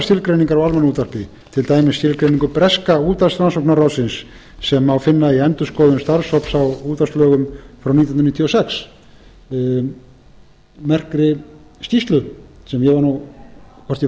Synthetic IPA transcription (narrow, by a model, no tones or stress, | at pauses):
st̪jɪlkɾejniŋkaɾawalmɛnuːt̪aɾ̥pɪ | t̪ʰɪlt̪aːjmɪsːt̪ɪlkɾejniŋkʏpɾɛskauːt̪ast̪ɾansowknarawsɪnsː | ɛmawfɪnːaiɛnt̪ʏskɔwðʏmst̪aɾshɔwpsawuːt̪ast̪lœːɣʏmfɾawnit̪nɾnit̪ʰːjɔsɛks | mɛr̥kɾɪ | st̪ist̪lʏsɛmjɛvaɾnukʰɔr̥t̪ɪ